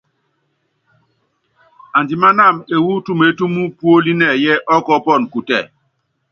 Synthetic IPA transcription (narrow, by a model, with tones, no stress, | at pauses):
a˨ndi˨ma˦na˦˨me˨wu˦tu˦me˨˦tu˦mu˦pu˦o˦li˦nɛ˨jɛ˦ʔɔ˦kɔ˦pɔ˦˨n˨ku˨tɛ̰˨